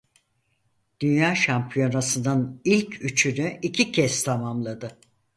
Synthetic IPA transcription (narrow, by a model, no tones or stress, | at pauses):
d̪̥ynjaːʃampʰijo̞nasɯnd̪anilʲcʰyt͡ʃʰynyicʰicʰɛst̪ʰamamlˠad̪ɯ